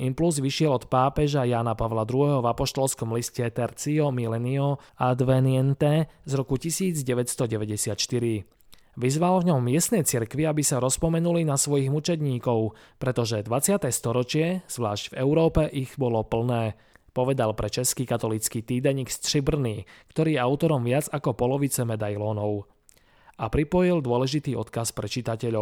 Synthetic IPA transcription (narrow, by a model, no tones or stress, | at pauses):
impluzʋiʃɪɛlɔt̪paːpɛʒajaːnapaʋlad̪ɾuɦɛːɦɔvapɔʃt̪ɔlskɔmliscɛt̪ɛɾt͡siɔmilɛniɔad̪ʋɛnɪɛnt̪ɛzɾɔkucisiːd͡zɟɛʋɛtst̪ɔɟɛʋɛɟɛsɪat̪ʃt̪iɾi | ʋizʋalvɲɔmːɪɛst̪nɛjt͡siɾkʋiabisaɾɔspɔmɛnulinasʋɔjiɣmut͡ʃɛd̪ɲiːkɔʊ | pɾɛt̪ɔʒɛd̪ʋat͡sɪat̪ɛst̪ɔɾɔt͡ʃɪɛz̥ʋla̰ːʃɟ̥vɛʊɾɔːpɛʔiɣbɔlɔpl̩nɛː | pɔʋɛd̪alpɾɛt͡ʃɛskikat̪ɔlit͡skiːt̪iːd̪ɛɲikst̪ʃibr̩niːkt̪ɔɾiːjɛaʊt̪ɔɾɔmʋɪad͡zakɔpɔlɔʋit͡sɛmɛd̪ajlɔːnɔʊ | apɾipɔjild̪ʊɔlɛʒit̪iːɔ̰t̪kaspɾɛt͡ʃit̪acɛʎɔʊ